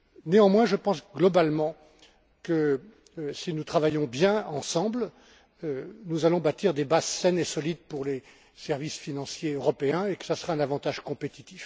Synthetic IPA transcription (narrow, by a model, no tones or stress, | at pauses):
neɑ̃mwɛ̃ʒəpɑ̃sɡlɔbalmɑ̃ | kə | sinut̪χavajɔ̃bjɛ̃ɑ̃sɑ̃bl | ønuzalɔ̃bat̪iʁd̪ebazsɛnesɔlid̪̚puʁle | sɛʁvisfinɑ̃sjeøʁɔpeɛ̃ekə̥sasəʁaɛ̃navɑ̃t̪aʒkɔ̃pet̪it̪if